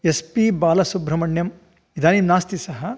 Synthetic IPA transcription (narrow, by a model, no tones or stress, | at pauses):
espibaːlɐsubʱɾɐmɐɳjɐm | id̪ʱaːnimnaːst̪isɐɦɐ